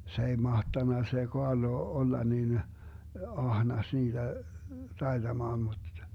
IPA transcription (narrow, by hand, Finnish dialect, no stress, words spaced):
se ei mɑhtɑnːɑ se koɑrlo olːɑ nin ɑhnɑs niːd̥æ tɑid̥ɑmɑːn mud̥